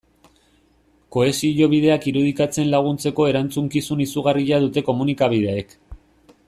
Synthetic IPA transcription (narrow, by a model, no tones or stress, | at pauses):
ko̞e̞siʎo̞βið̞e̞akiɾuð̞ikat͡se̞nlaɣ̞unt͡se̞ko̞e̞ɾant͡suŋkisunisuɣariʎaðut̪e̞ko̞munikaβið̞e̞aek